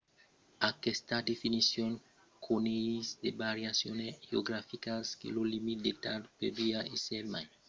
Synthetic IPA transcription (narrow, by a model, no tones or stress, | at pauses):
akest̪ad̪efinisjoŋ | kʰoneisd̪ebaɾjasjoneɣeoɡɾafikaskḛlolimit̪̚d̪et̪aɾpeviaʔiselmaj